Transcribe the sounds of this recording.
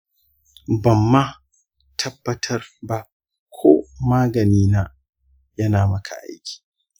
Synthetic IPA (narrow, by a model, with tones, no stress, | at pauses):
bɐ˨mːa˦ | tʰɐ˦bːɐ˦tʰɐ˦rba˦ | kʷʰo̰ː˦maː˦ɡɐ˨niː˦naː˦ | jɐ˦naː˨mɐ˦kʰa̰˨ʔa̰˦jkʲi̥ː˨